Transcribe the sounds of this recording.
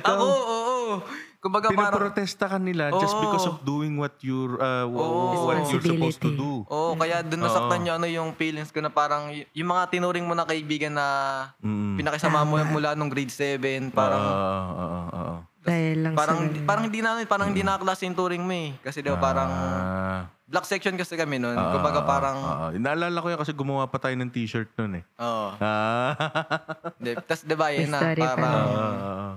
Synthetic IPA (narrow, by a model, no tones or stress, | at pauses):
tooʔoːʔokʊmbɐɡapɪp̪ɐːɾɐpɾot̪ɛst̪ɐkɐnːɪlaʔd͡ʒɐsbɪkosɔfd̪uːɪŋwɐt̪jʊɹɐʔoːʔowɐpst̪d̪uʔoʔokɐjaʔd̪ʊnːɐsɐk̪̚ɐɲɲoʔɐno̞jʊŋpiːlɪŋskonɐpaːɾɐŋjʊjʊŋmɐŋat̪ɪnuːɾɪŋmonɐkɐʔɪbiːɡɐnːɐm̩ːpɪnɐkɐsɐmamʊmʊlanoŋɡɾid̪sɛvɛnpaːɾɐŋo̰ːʔooːʔo | t̪ɐjlpaːɾɐŋhnd̪ipaːɾɐŋhɪnd̪inamɪnpaːɾɐŋhɪnd̪iːnɐʔɐklaːsɪjʊnt̪uːɾɪŋmoɛkɐsɛd̪ɐwpaːɾɐŋ | blɐk̚sɛk̚ʃonkɐsɛkɐmɛnon̰ːʔkʊmbɐɡapaːɾɐŋo̰ʔo̰nɐʔɐlaːlɐkojɐkɐsɛɡʊmɐwapɐt̪aːjonɐŋt̪iːʃɐɹt̪̚nonɛʔoːʔoʔaː | ɪnd̪ɛt̪ɐsd̪ɛbajɐnɐɾaːɾɐoʔo